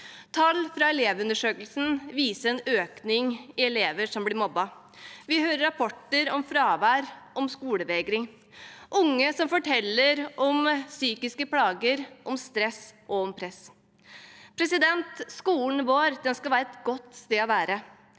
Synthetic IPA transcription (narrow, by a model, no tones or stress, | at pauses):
t̪ʰɑlːfɾɑɛleːʋʉnəʂøːkəlsn̩ʋiːsəɛnøːknɪŋɪɛleːʋəʂɔmblɪɾmɔbːɑ | ʋɪhøːɾəɾɑpʰɔʈːəɾɔmfɾɑːʋæːɾʔɔmskuːləʋeːɡɾɪŋ | ʔʊŋːəsɔmfɔʈʰɛlːəɾɔmsyːkɪskəpʰlɑːɡəɾʔɔmst̪ɾɛsʔɔɔmpʰɾɛs | pʰɾɛsɪd̪ɛnt̪skuːln̩ʋoːɾd̪ɛnskɑlʋæːɾəɛt̪ɡɔt̪ːst̪eːɑʋæːɾə